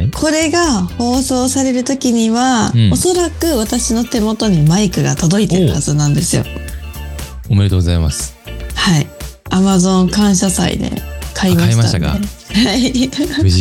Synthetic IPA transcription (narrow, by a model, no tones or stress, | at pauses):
kʰo̞ɾe̞ɡaho̞ːso̞ːsaɾe̞ɾɯ̟t̪o̞kʲiɲ̟iβao̞so̞ɾakɯ̟βat̪aɕino̞t̪e̞mo̞t̪o̞ɲ̟imaikɯ̟ɡat̪o̞d̪o̞it̪e̞ɾɯɯhazɨnãnd̪e̞sɨjo̞̰ | omeɾet̪oɡoza̰ima̰sɨ̥ | haiamazõ̞ŋkãɰ̃ɕasa̰ḭd̪e̞̰kʰaimait̪a̰aa̰ehai